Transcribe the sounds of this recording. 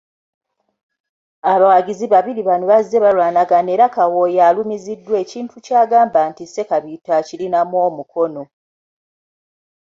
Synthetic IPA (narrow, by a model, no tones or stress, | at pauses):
aβawaɟiziβaβiɾiβanoβazːeβalwaːnaɡane̞ːɾakawojalumizidːwe̞ːciːntucaːɡaːmbaːntise̞kaβitacilinamwo̞ːmuko̞no̞